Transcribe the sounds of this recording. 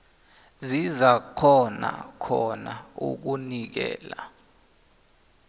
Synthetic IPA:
zizak͡xʰɔna̰kʰɔnaṵk̬unik̬ɛ̰ːla

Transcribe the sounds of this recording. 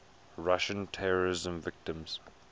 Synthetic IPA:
ɹaʃə̃ntʰɛɹəɹɪzə̃mvɪk̚tə̃mz̥

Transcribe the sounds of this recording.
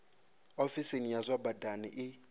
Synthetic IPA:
ofisinijazʷabadanḭʔɪ

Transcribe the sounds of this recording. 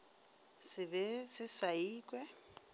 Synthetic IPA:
sɪbɛsɪsaiːkʼwɛ

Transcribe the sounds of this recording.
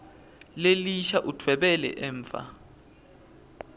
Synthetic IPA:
leliʃaʔutʰwɛɓɛlɛ̰ʔɛːɱfa̰

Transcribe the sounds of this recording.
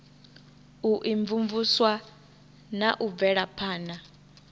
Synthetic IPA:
uʔiɱvuɱvuswa | naʔub̪vɛɺapʰaːna

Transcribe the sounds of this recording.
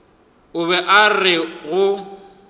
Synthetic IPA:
ʊβɛʔarɪɣʊ

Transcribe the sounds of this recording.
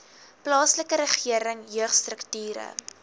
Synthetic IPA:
plɑːsləkəɾəχiəɾəŋjøəχstrəktyːɾə̰

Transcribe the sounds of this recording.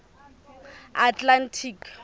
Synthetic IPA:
atlantʰiːk

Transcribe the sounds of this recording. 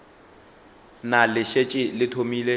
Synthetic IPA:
nalɪʃet͡ʃʼɪlɪtʰomiːle

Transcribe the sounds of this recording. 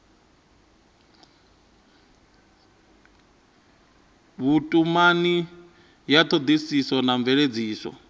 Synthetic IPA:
βutʼumani | jat̪ʰod̪isisɔnaɱvɛɺed͡ziːsɔ̰

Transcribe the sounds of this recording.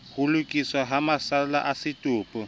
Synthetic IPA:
hʊlʊkʼiswaɦamasala̰ʔasɪtʼʊːpʼʊ

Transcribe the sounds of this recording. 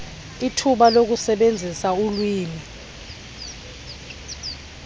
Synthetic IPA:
itʰuɓalok̬usɛɓend͡zʱisaulwiːni

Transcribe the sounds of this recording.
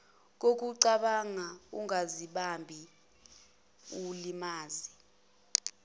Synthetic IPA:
k̬ok̬uǀaɓaŋauŋaziɓambʱi | ulimaːzi

